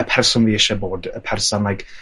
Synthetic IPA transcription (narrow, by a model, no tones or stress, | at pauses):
əpʰɛrsʊnviɪʃɛboːdəpʰɛrsɔnlajɡ